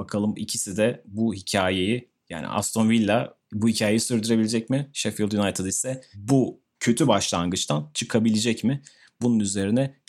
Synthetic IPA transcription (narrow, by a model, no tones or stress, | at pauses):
bakʰalˠɯmḭcʰisid̪ɛbuhicʰaːje̞jɪ | ja̰ːnɪ̰ʔa̰st̪ʰonvilʲːa | buhicʰaːje̞jisyɾd̪yɾe̞bilʲed͡ʒɛcmɪʃefild̪junajt̪ʰɯd̪isɛbu | cʰø̞t̪ʰybaʃlˠaŋɡɯt͡ʃt̪ʰant͡ʃʰɯkʰabilʲed͡ʒɛcmɪ | bununyze̞ɾinɛ